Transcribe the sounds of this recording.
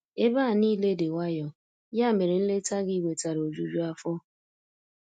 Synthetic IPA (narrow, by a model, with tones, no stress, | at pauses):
e˦ba˦˨niː˦le˦de˨wa˦jɔ˨ | ja˦˨me˨ɾe˨n̩˦le˦ta˦ɡi˦we˨ta˨ɾo˨d͡ʒu˨d͡ʒu˦a˦fɔ˦